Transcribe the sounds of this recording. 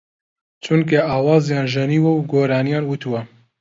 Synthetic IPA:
t͡ʃʰunk̬eʔɑːwɑːzjɑːnʒɐniːwɐwɡoːɾɑːnijɑːnwut̪ʰuwɐ

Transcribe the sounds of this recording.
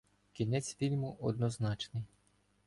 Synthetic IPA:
kʲinɛt͡sʲfʲilʲmuʔɔd̪nɔznɑt͡ʃnɪj

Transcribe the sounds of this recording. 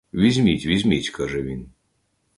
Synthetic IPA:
ʋʲizʲmʲitʲʋʲizʲmʲitʲkaʒɛʋʲin

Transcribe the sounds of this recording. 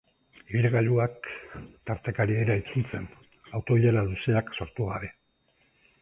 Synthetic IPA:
iβilɣaʎuakt̪aɾt̪ekaɾie̞ɾait͡sult͡se̞n | awt̪o̞βiʎeɾaluseakso̞ɾt̪uɣaβe̞

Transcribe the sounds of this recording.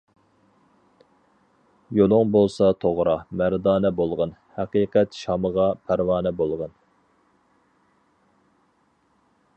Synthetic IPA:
jolˠʊŋbolˠsɑt̪ʰoʁɾɑmæɾd̪ɑːnɛbolˠʁɑnhɛqiːqʰɛt̪ʃɑməʁɑpʰæɾwɑːnɛbolˠʁɑn

